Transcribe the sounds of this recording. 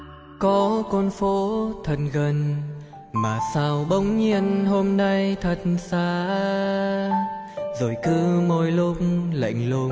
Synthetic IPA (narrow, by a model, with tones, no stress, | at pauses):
kɔ˨˦kɔ˧nfo˨˦t̪ʰə˨˩t̚ɣə˨˩n | maː˨˩saː˧wɓə˨˦wŋ͡mɲi˧ənɦo˧mna˧jt̪ʰə˨˩t̚nsaː˧˦ | zo˨˩jkɨ˧˦mo˧˩jlʊ˧k͡pŋ͡mla̰˧˨jŋ̟lʊ˧ŋ͡m̚